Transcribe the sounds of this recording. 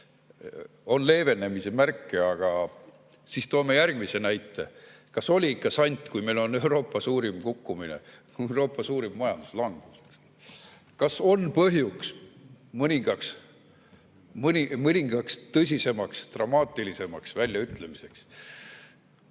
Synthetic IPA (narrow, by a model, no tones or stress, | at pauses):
o̞nle̞ːve̞nːe̞misemærkːˑeɑɡ̥ɑ | sist̪oːme̞jærɡ̥mise̞næjt̪ːˑe̞̰ | kɑso̞lʲiikːɑsɑnʲt̪ˑkujme̞jlo̞ne̞uɾo̞ːpːˑɑsuːɾimkukːuminḛ | ɾo̞ːpːˑɑsuːɾimːɑjɑ̰nd̪u̥slɑŋɡ̥us | kɑso̞npɤɦjuksmɯnʲiŋɡ̥ɑks | mnʲimɯnʲiŋɡ̥ɑkst̪ɤs̬ʲise̞mɑkst̪rɑmɑːt̪ːilise̞mɑksvælʲjɑyt̪le̞mise̞ks